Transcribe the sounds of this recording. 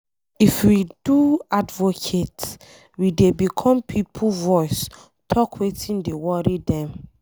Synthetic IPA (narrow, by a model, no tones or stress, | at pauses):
ifwiduadvokʰets | widebikʰɔ̃mpʰipʰuvɔɪs | tʰɔkwetĩndewɔɾidɛ̃m